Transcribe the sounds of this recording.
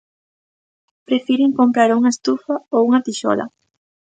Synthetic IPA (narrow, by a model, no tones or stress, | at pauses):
pɾefiɾeŋkompɾaɾuŋɐest̪ufaowuŋɐt̪iʃɔ̰lɐ̰